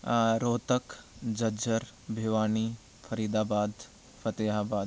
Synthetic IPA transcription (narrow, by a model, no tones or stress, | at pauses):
ɾoːt̪əkd͡ʒɐd͡ʒʱəɾbʱeʋaːni | fʰɐɾiːd̪aːbaːd̪ | fʰɐt̪eːɦaːbaːd̪